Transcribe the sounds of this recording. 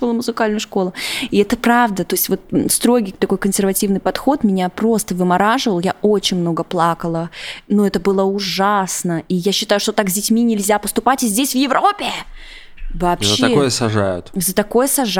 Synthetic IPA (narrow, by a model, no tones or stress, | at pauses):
olˠmʊzɨkalʲnəjʂko̞lˠəɪɛt̪əpɾavd̪ət̪o̞ɪsʲtʲvo̞t̪̚st̪ɾo̞ɡʲijt̪ɐko̞jkənsʲɪrvɐtʲivnɨjpɐt̪xo̞t̪mʲɪnʲapɾo̞st̪əvɨmɐɾaʐɨvəlˠjao̞t͡ɕɪnʲmno̞ɡəplˠakəlˠənuɛt̪əbɨlˠəʊʐasnəijaɕːɪt̪ajʊʂt̪ot̪akzʲdʲɪtʲmʲinʲɪlʲzʲapəst̪ʊpatʲɪzʲdʲesʲvjɪvɾʔo̞pʲɪ | vaːpɕzəekojəsɐʐa̰jʊ̰t̪zət̪ɐko̞jəsɐʐ